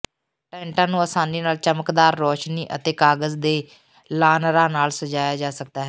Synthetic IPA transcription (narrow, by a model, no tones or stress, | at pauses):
ʈɛːɳʈãːnũːəːsaːniːnaːlt͡ʃəməkd̪aːɾːɔːʃniːʔə̰t̪eːkaːɡəzd̪eː | laːnɾãːnaːlsəd͡ʒaːjaːd͡ʒaːsək̚d̪aːɦɛː